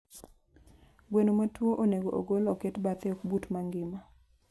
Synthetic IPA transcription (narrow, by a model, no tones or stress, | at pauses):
ɡwenomatwoʔoneɡoʔo̰ɡoloketbat̪eokbutmaŋɡɪma